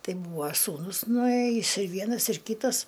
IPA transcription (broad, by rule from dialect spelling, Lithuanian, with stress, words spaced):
ˈtɐɪ ˈbuːʋɐ ˈsuːnʊs nʊˈeːjɪs ɪr ˈʋʲiɛnɐs ɪr ˈkʲiːtɐs